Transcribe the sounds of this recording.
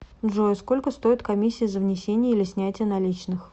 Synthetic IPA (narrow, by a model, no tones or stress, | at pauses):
ʐosko̞lʲkəst̪o̞ɪt̪kɐmʲisʲːɪɪzəvnʲɪsʲenʲɪjəilʲɪsʲnʲætʲɪjənɐlʲit͡ɕnɨx